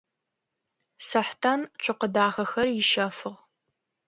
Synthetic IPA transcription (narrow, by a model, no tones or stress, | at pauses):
sɐħtʰant͡ʃʷʰʼʊqədaːxɐxɐrjɪʃɐfɨʁ